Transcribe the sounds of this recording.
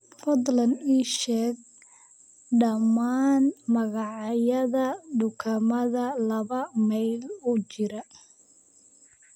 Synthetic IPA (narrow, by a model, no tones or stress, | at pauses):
fɔd̪lɐniːʃɛːɡ̚ | ɖɐmaːnmɐɣɑʕjɐðɐɖʊkʰɐmɐðɐlɐβɐmɛjlʊt͡ʃɪɾɐ